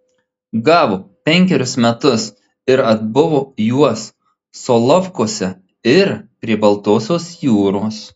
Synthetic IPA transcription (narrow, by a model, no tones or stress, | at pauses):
ɡɑːʋoːpʲɛŋʲkʲɛɾʲʊsmʲɛt̪ʊs | ɪɾɐd̪bʊʋoːjuɔsː | oːlˠɔfkoːsʲɛ | ɪɾpʲɾʲiɛbɐlˠt̪oːsʲoːsjuːɾoːs